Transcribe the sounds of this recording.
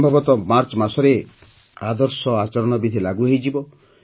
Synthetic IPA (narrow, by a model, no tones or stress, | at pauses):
mbʱɔbɔt̪ɔmaɾt͡ʃɔmasɔɾe | ad̪ɔɾsɔat͡ʃɔɾɔɽ̃ɔbid̪ʱilaɡuɦejd͡ʒibɔ